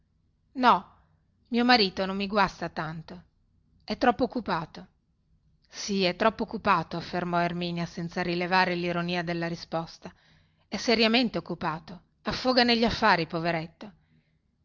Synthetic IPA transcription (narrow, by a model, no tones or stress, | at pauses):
nɔ | miomaɾiːt̪onomːiɡwast̪at̪ant̪o | ɛt̪ːɾɔpːoːkːupaːt̪o | siɛt̪ːɾɔpːookːupaːt̪oafːermɔermiːnjasɛnt̪saɾilevaːɾeliɾoniːad̪elːaɾispɔst̪a | ɛseɾjament̪eokːupaːt̪o | afːoːɡaneʎːafːaːɾipoveɾet̪ːo